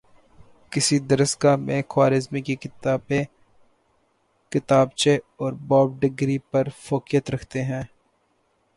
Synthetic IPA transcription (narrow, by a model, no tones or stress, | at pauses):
kɪsid̪ɐɾəskamẽxwaːɾɪzmikibe | kɪt̪aːbt͡ʃe | ɔːɾbɔːb̚ɖɪɡɾipɐɾfoːkijət̪ɾɐkʰt̪eɦɛ̃ː